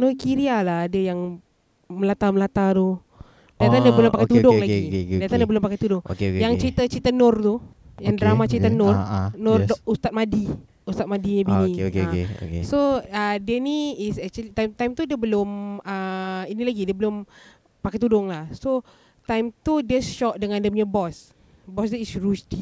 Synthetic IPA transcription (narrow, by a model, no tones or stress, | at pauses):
nokiɾialahdəjaŋ | məlat̪aməlat̪at̪u | dat̪adəbəlʊmpakajt̪udʊŋlaɡidat̪adiəbəlʊmpakajt̪udʊŋo̰kejaŋt͡ʃəɾit̪ət͡ʃɾit̪ənɔrt̪u | jaŋdɾamat͡ʃɾit̪ənɔrnʊrdust̪at̪̚madi | ust̪at̪̚madiabiniokːeo̰kesoədiəniisɛk̚t͡ʃulit̪ajmt̪ajmt̪udiəbəloməinĩlaɡidiəbəlʊm | pakajt̪udʊŋlahso | t̪ajmt̪udiəʃɔʔdəŋãndəmɲəbɔs | bɔsdəisrusdi